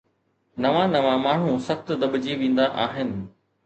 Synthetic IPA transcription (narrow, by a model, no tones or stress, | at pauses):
nɐʋãnɐʋãmaːɳ̤ũsɐxt̪d̪ɐɓd͡ʑeʋẽːn̆d̪aʔaːɦɪnɪ̆